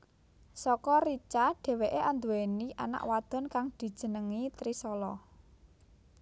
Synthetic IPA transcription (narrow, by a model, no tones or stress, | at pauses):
sɔkɔɾit͡ʃaɖ̥e̤weʔeʔand̪uweniʔa̰na̰ʔwad̪̥ɔ̤nkaŋd̪̥i̤̥ʒ̥ə̤nəŋit̪ɾisɔlɔ